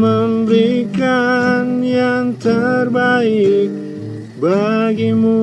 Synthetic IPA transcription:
məmɾikanjant̪ʰɐɾbaːik | bʱaɡimu

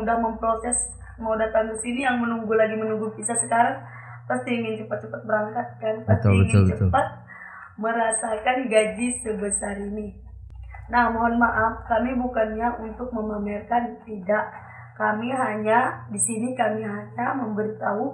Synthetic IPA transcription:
udahməmpɾosɛs | madat̪ankisinijaŋmənuŋɡulaɡimənuŋɡukisasəkaɾaŋ | past̪iiŋɪnt͡ʃəpat̪̚t͡ʃəpat̪̚bəɾaŋkat̪̚kanpast̪ʊilbəŋʊt͡ʃət̪pat̪̚ | məɾasakanɡad͡ʒisəbəsaɾini | nahmoɦɔnmaʔafkamibukanɲaʔunt̪ʊk̚məmamɪlkant̪idaʔ | kamiɦaɲadisinikamiɦaɲaməmbəɾit̪au

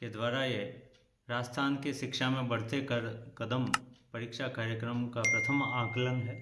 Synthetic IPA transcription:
ked̪ʋaːɾaje | ɾaːst̪ʰaːnkeʃɪkʃamẽbɐɽ̤t̪ekɾkɐd̪əmpɐɾɪkʃakaːɾjəkɾəmkapɾɐt̪ʰəmãːklənɦɛː

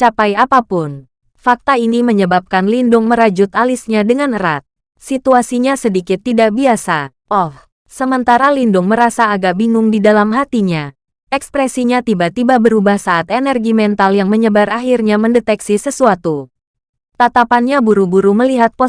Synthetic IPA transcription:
t͡ʃapajapapʊn | fak̚t̪ainiməɲəbap̚kanlindʊŋməɾad͡ʒʊt̪alisɲadəŋanɾat̪̚ | sit̪uasiɲasədikɪt̪ːidaʔ̚biasa | ʔɔh | səmənt̪aɾalindʊŋməɾasaːɡabiŋʊŋdidalamɦat̪iɲa | ʔɛkspɾɛsiɲat̪ibat̪ibabəɾubahsaːt̪enɛrɡimɛnt̪aljaŋməɲəbaɾʔaɦirɲaməndət̪ɛksisəsuat̪u | t̪at̪apanɲabuɾubuɾuməliɦat̪̚po

